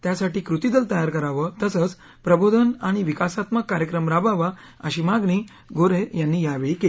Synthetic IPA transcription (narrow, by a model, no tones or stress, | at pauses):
t̪jasaʈiːkɾut̪id̪əlt̪əjaɾkəɾaʋət̪əsət͡s | pɾəbod̪ʱənaɽ̃iʋikasat̪məkːaɾjəkɾəmɾabaʋa | ə̰ɕiːmaɡɳiː | ɡoɾejanːiːjaʋeɭike